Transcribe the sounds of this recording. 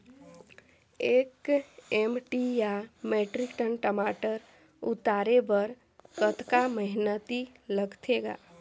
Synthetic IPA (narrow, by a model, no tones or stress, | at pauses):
eːkemʈijameːʈɾɪkʈənʈəmaːʈəɾ | ʊt̪aːɾebəɾ | kət̪kaməɦɪnət̪i | ləɡt̪ʰeɡa̰ː